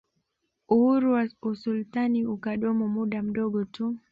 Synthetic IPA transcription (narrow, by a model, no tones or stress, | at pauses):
uhuɾuwausultaniukaɗɔmɔmuɗam̩ɗɔɡɔtu